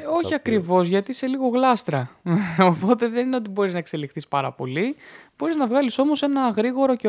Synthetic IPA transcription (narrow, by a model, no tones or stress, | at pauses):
o̞çiɐkɾivo̞zʝɐt̪ise̞liɣo̞ɣlɐst̪ɾɐopo̞t̪e̞ðe̞nineo̞t̪ibo̞ɾiznɐe̞kse̞lixθispɐɾɐ̰po̞lib̥o̞ɾiznɐvɣɐliso̞mo̞se̞nɐɣɾiɣo̞ɾo̞ce